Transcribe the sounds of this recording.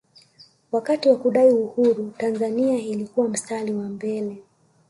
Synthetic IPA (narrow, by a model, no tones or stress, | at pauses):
wakatiwakuɗaiuhuɾutanzaniailikuwam̩staliwambɛlɛ